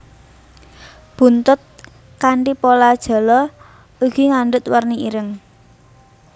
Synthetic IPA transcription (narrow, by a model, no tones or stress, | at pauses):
b̥ṳnt̪ʊt̪̚ | kaɳʈipolad̥ʒ̥a̤lɔ | uɡ̥iŋaɳɖʊt̪̚wərniiɾəŋ